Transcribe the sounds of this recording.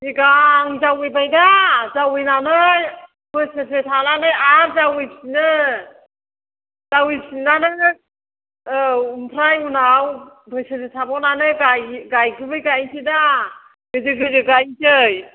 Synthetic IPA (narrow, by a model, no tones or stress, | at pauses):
iɡaŋzawɯjbajdazawɯjnanɯj | bɯjsɯtʰetʰalanɯjaɾzawijpsinɯ | z̥awijpsinanɯ | umpʰɾajunaw | bɯjsɯtʰetʰabɔnanɯɡajɡajkʰɯbɯjɡajsʰida | ɡɯzɯɡɯzɯɡajtʰɯj